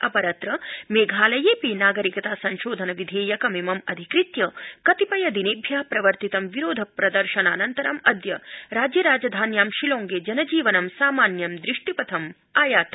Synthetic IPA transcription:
ɐpɐɾɐt̪ɾɐmeːɡʱaːlɐjeːpinaːɡɐɾikɐt̪aːsɐnʃoːd̪ʱɐnɐʋid̪ʱeːjɐkɐmeːmɐmɐd̪ʱikɾit̪jɐkɐt̪ipɐjɐd̪ineːbʱjaːpɾɐʋɐɾt̪it̪ɐmʋiɾoːd̪ʱɐpɾɐd̪ɐɾʃɐnaːnɐnt̪ɐɾɐmɐd̪jɐɾaːd͡ʒjɐɾaːd͡ʒɐd̪ʱaːnjaːmʃiloːŋɡeːd͡ʒɐnɐd͡ʒiːʋɐnɐmsaːmaːnjɐmd̪ɾiʂʈipɐt̪ʰɐm | aːjaːt̪ɐ

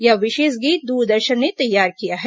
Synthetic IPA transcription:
jaʋɪʃeːʃɡiːt̪̚d̪uːɾd̪ɐɾʃənːet̪ɐjːaːɾkijaɦɛ

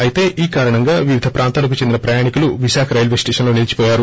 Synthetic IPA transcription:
ɐjit̪e̞ːʔiːkaːɾɐɳɐŋɡaːʋiʋid̪ʱɐpɾʔaːnt̪aːlɐk̬ut͡ʃend̪inɐpɾɐjaːɳikuluʋiʃaːkʰɐɾɐjɐlʋesʈeːʂɐnlo̞ːniːlt͡ʃi̥pɔːjaːɾu

